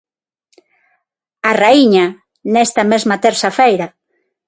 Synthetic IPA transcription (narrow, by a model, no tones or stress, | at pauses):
araiɲa | nɛst̪ɐmezmɐt̪eɾsafejɾɐ